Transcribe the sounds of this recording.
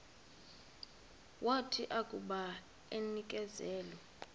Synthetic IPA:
wʔatʰiʔakʼuɓa | enik̬ʼɛzɛːlɔ

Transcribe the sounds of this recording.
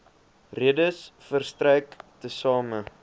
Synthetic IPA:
riədəsfərstrɛjktəsɑːmə

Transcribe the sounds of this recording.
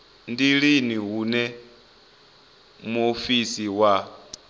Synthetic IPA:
ndiɺiniɦunɛ | muofisiwa

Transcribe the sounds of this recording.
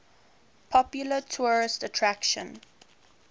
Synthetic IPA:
pʰɔpjulətʰuɹɪstətʰɹækʃə̰̃n

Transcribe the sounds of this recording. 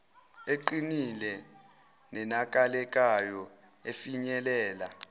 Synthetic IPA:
eǃinilɛ | nɛnak̬ʼalɛk̬ʼajɔ | efiɲɛlɛːla

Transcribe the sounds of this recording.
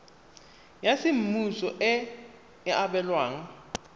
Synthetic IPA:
jasim̩musɔʔɛ | aɓɛlwaːŋa

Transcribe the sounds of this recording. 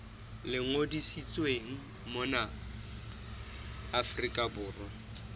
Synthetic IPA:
lɪŋodisit͡sʼweŋ̩ | mʊna | afrikʼabʊːrɔ

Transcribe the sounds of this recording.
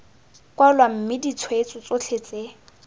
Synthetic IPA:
kwalwam̩mɪdit͡sʰwet͡sʼʊt͡sʼot͡ɬʰet͡sʼe

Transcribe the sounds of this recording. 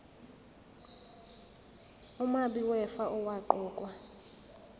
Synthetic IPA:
umaɓiwɛfaʔɔwaǃɔːkʼwa

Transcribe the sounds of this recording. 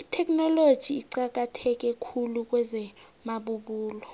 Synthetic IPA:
itʰɛk̬ʼnɔlod̥ʒ̥ʱiːǀak̬ʼatʰɛk̬ʼɛkʰuluk̬ʼwɛzɛmaɓuɓuːlɔ

